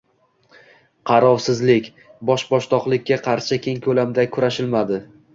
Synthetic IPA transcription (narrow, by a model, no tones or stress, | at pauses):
qʰɑɾɒvsɪzlɪkʲ | bɒʃbɒʃt̪ʰɒqlˠɪkʲːaqʰɑɾʃɪkʲe̞ŋkʰɵlamd̪akʰʊɾaʃɪlmad̪ɪ